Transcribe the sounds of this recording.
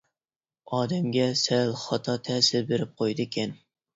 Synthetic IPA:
ɑːd̪ɛmɡʲɛsɛlχɑt̪ʰɑt̪ʰɛsɪbeɾɪp̚qʰojd̪ɪkʲʰɛn

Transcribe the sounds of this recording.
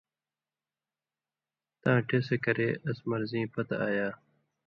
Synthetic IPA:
t̪ãːʈʰesekɐɾeːʔɐsmɐɾzĩːpɐt̪aaːjaː

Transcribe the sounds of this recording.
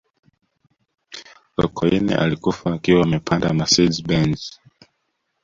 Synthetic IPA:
lɔkʰɔinḭʔa̰likufaːkiwaːmɛpʰanda̰masizbɛnz

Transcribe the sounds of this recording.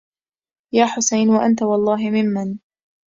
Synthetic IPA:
jaːħʊsajnwaʔant̪awɑlˤːɑːɦɪmɪmːan

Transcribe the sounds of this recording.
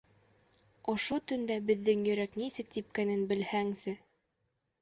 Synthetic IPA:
ŏʃot̪ɵ̆nd̪æbɘ̆ðːɘŋjɵ̆ɾæknisɘk̚t̪ip̚kænɘnbɘ̆lhæŋsɘ

